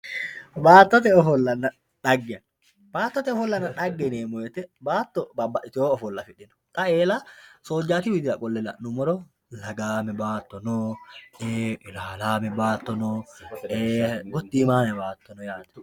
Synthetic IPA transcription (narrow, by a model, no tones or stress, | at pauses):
baːt̪ːɔt̪̬ɛɔfɔlːɐnːɐ | ᶑɐɡːɪɐ | b̥aːt̪ːɔt̪ɛɔfɔlːɐnːɐᶑɐɡːɛneːmɔjɛt̪ːɛbaːt̪ːɔbɐbɐʔɪt̪ɪoːfɔlːɐfɪᶑɪnɔ̥t̪ʼɐeːlasoːd͡ʒːaːt̪ɪwɪd̪ɪɾɐkʼɔlːɛlɐ̰nʊmɔɾɔ | lɐɡaːmɛbaːt̪ːɔnɔːeːɪlaːlaːmɛbaːt̪ːɔnɔːeːɡɔt̪ːiːmaːnɛbaːt̪ːɔnɔjaːt̪ɐ̥